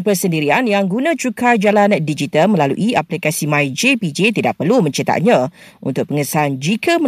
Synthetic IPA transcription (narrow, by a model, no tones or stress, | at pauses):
pəsəndiɾianjaŋɡunãt͡ʃukʰard͡ʒalandid͡ʒit̪almə̃lalṵʔiaplikasimãjd͡ʒepid͡ʒet̪ida̰ʔpərlumə̃ɲt͡ʃit̪a̰t̪̚ɲã | ṵnt̪ʊk̚pəŋəsaand͡ʒikʰamə